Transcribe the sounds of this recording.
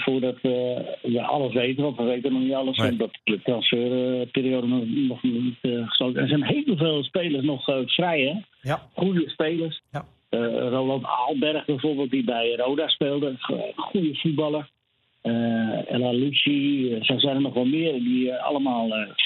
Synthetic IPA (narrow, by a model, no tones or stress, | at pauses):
fʊːrdɔtəjəʔɑ̰ləsʋejtəɔfʋəʋejtənɔxnitɑlˠəsɔndɔtdətrɑnsføːrpɪːɾioːdənnɔχitχəstowkə̰nəsɛnɦeːvəlˠveːlˠspeːlˠərs̬nɔχfrɛjɛ | χujəspeːlərs | əroːnanta̰ːlˠbɛrχbɛjfoːrbeːlˠt̚dibɛjrowdaspeːlˠdəχujəfut̚bɑlˠər | əɛ̰lalusisɛsɛjnənɔχʋɛlˠmɪərədiɑ̰ləmaːlˠə